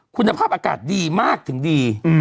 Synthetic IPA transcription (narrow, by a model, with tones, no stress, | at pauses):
kʰu˧nːa˧pʰaː˥˩p̚ʔaː˧ka̰ː˨˩t̪̚diː˧maː˥˩k̚t̪ʰɯ˩˦ŋdiː˧